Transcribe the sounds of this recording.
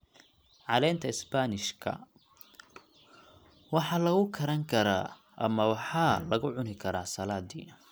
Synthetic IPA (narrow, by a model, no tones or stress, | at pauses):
ʕɑlɛːnt̪ʰɐɪsbanɪʃkʰɐ̰ | wɑħɑːlɐɣʊkʰɐɾɐŋkʰɐɾa̰ː | ʔɐ̰mɐwɑħɑːlɐɣʊʕʊnɪkʰɐɾaːsɐlaːd̪ḭːn